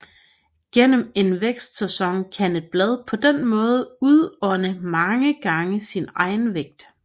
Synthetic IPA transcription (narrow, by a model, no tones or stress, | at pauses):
ɡ̥en̰əme̝nʋeɡ̥sd̥sæsɒ̽ŋkʰæne̝d̥̚b̥lɛð̞ˠpʰɒ̽d̥enmɔ̽ːð̞ˠuðˠɒnəmɑ̈ŋəɡ̥ɑ̈ŋəsinɑ̈ɪnʋeɡ̥̚d̥